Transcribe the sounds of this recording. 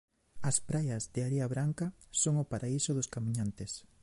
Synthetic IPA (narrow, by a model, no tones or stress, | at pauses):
ɐspɾajɐzðeaɾeɐβɾaŋkɐsoŋʊpaɾʔaisʊðʊskamĩɲant̪es